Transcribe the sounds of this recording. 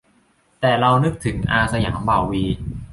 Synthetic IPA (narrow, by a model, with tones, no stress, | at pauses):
t̪ɛː˨˩ɾa˧wnɯ˦˥k̚t̪ʰɯ˩˦ŋʔaː˧sa˧ja̰ː˩˦mbaː˨˩wwiː˧